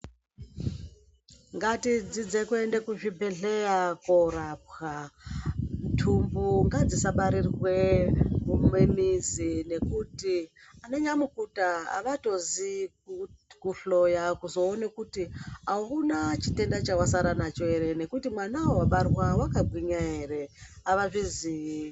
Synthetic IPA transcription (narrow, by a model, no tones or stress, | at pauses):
ŋɡatid͡zid͡zekue̞ndekuʐibʱeɮe̞jakoɾap̚xa | ntʰumbuŋɡad͡zisaɓaɾirwe̞umwe̞mizine̞kutianoɲamukutaa̰ʋato̞zi | kuɬo̞jakuzo̞ːnekutiaunat͡ʃite̞ndat͡ʃawasaɾanat͡ʃoeɾe̞ne̞kutimwanawowaɓarwawakabʱwiɲaɦe̞re̞ | aʋaʐizii